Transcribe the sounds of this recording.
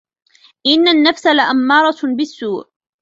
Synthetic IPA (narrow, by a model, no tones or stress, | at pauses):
ʔɪnːanːafsalaʔamːɑːɾˤɑbɪsːuːʕ